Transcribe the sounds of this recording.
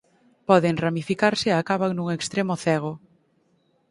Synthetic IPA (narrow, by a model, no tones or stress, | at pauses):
pɔðeŋramifikaɾsɪakaβaŋnuŋekst̪ɾemʊθɛɣ̞ʊ